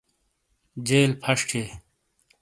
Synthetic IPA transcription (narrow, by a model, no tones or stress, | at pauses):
d͡ʑeːlpʰɐʂʈʰeː